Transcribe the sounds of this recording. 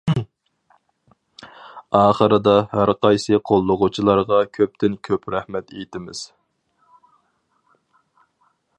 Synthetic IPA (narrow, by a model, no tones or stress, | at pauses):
ɑːχəɾɨd̪ɑhæɾqʰɑjsɨqʰolˠːʊʁʊt͡ʃʰilˠɑɾʁɑkʲʰøp̚t̪ʰɪnkʲʰøpɾæhmɛt̪ʰejt̪ɪmɪz̥